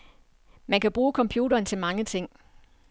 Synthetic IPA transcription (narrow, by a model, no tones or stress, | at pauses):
mænkʰæb̥ʁuːkʰɒ̽mpʰjuːɾɐːnt͡sʰe̝lmɑ̈ŋət͡sʰe̝ŋ̰